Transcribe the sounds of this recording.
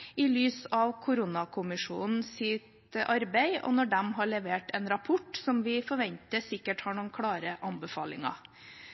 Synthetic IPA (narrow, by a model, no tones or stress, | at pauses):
ɪlyːsɑʋkʰʊɾʊnɑkʰʊmɪʂṵːnn̩sɪt̪ | ʔɑɾbæɪɔ̰nɔɖɛmɦɑɭɛʋeːʈɛnɾɑpʰʊʈsɔmʋɪfɔɾʋɛnt̪əsɪkːəʈhɑɳuːnkʰɽɑːɾəʔɑnbəfɑ̰ːlɪ̰ŋɑ̰